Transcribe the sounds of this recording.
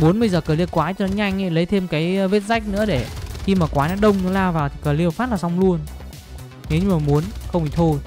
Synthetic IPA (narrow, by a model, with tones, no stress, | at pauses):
ɓu˨˦nɓə˧jzəː˨˩kəː˨˩li˧əwkwaː˨˦jt͡ɕɔ˧nɔ˨˦ɲa˧jŋ̟ʔə˨˧˦lə˨˦jt̪ʰe˧mkaː˨˦jve˦˥t̚za˦˥jk̟̚nɨ̰˧˥əɗe˧˩xi˧maː˨˩kwaː˨˦jnɔ˨˦ɗə˧wŋ͡mnɔ˨˦laː˧vaː˨˩wt̪ʰi˨˩kəː˧˩li˧əwfaː˦˥t̚laː˨˩sa˧wŋ͡mlu˧ən | ŋi˨˦ɲɨ˧ŋ͡mmaː˨˩mu˨˦ənxə˧ŋ͡mʔḭ˧˩t̪ʰo˧j